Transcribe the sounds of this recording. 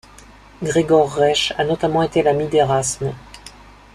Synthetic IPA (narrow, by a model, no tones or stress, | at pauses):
ɡʁeɡɔʁːɛʃanɔt̪amɑ̃et̪elamid̪eʁasmə